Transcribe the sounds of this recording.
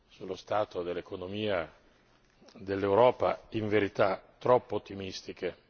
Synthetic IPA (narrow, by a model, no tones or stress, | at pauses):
sulːost̪aːt̪od̪elːekonomiːa | d̪elːewɾɔːpa̰iɱveɾit̪at̪ːɾɔpːoːt̪ːimist̪ik̟e